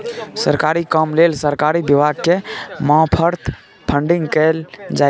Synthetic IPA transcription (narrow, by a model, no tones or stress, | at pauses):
səɾkaɾikəmlelsəɾkaɾibiʋad̪̚kemãpʰəɾt̪ʰ | pʰəɳɖiŋɡkɛld͡ʒa